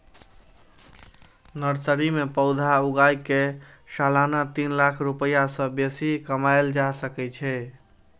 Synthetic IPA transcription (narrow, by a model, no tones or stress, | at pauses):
nəɾsəɾimepəʊd̪ʱauɡajke | salanat̪inlakʰɾupəjasə̃besikəmajld͡ʒasəkɛt͡ʃʰɛ